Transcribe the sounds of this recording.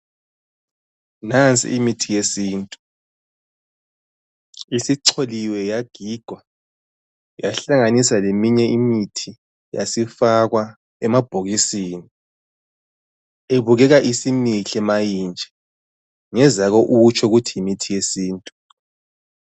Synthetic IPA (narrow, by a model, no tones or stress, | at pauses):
nant͡sʼḭimitʰijesiːntʼu | isiǀʰoliwɛjaɡ̥ʱiɡ̥ʱwa | jaɬaŋanisalemiɲɛimitʰi | ja̰sifaɣwa | ɛmab̥ʱoɣisiːni | eβuɣɛɣaʔisimiɬɛmajint͡ʃʼɛ̥ | ŋɛzaɣoʔut͡ʃʰɔuɣutʰijimitʰijesiːntʼu